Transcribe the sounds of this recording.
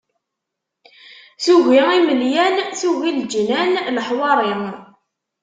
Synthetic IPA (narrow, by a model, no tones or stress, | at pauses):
suʝiiməljænθuʝild͡ʒnænləħwɑɾˤi